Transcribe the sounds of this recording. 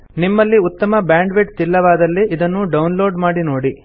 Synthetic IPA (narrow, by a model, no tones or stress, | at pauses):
nimːɐlːiut̪ːɐmɐbjaːɳɖʋeʈt̪ilːɐʋaːd̪ɐlːiʔid̪ɐnːuɖɐwnlo̞ːɖmaːɽinoːɽi